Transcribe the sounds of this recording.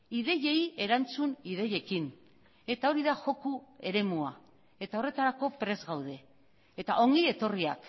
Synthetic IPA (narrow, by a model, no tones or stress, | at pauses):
iðe̞je̞ie̞ɾant͡suniðe̞je̞kin | e̞t̪aoɾiðaʝo̞kue̞ɾe̞mua | e̞t̪ao̞re̞t̪aɾako̞pɾe̞zɣawðe̞ː | t̪aʔo̞ŋɡie̞t̪o̞ria̰k